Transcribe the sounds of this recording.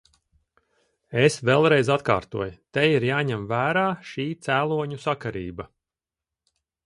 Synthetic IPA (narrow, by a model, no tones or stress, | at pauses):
esvɛlˠɾɛjzat̪ka̰ːɾt̪uɔjt̪ɛjiɾjaːɲɛmvæːɾaːʃiːt̪sæːlˠuɔɲusakaɾḭːbɐ